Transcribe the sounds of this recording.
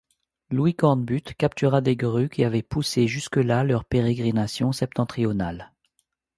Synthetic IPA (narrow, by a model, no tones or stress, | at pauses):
lwikɑ̃ʁd̪byt̪kap̚t̪yʁad̪eɡʁykʲeavɛpuseʒyskəlalœʁpeʁeɡʁinasjɔ̃sɛp̚t̪ɑ̃t̪χiɔnal